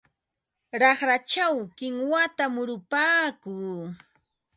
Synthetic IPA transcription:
ɾɑχɾat͡ʃawkɪŋwat̪amʊɾʊpaːkuː

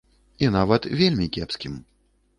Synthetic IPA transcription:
inavɐt̪vʲelʲmʲikʲɛpskʲim

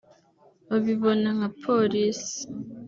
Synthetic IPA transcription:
oβiβɔnaŋapʰolisi̥

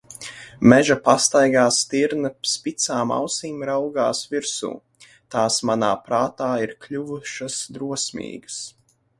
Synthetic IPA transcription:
mɛʒapast̪ajɡaːst̪iɾnɐspit̪saːma̰wsiːmɾawɡaːsviɾsṵː | t̪aːsmanaːpɾaːt̪aːiɾklʲuvuʃasd̪ɾuɔsʲmḭːɡəs

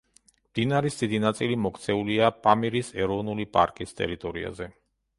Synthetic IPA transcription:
md̪inaɾisd̪̥id̪inat̪sʼilimɔkʰt̪sʰɛuliapʼamiɾisɛɾɔvnulipʼa̰ɾkʼist̪ʼɛ̰ɾit̪ʼɔɾḭa̰zɛ

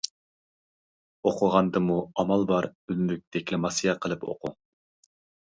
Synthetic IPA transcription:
oqʰʊʁɑnd̪ɨmuɑmɑlˠbɑɾylmyk̚ʲd̪̥ɛkʲlɛmɑsɨjɛqʰəlˠɨpʰo̰qʰṵ

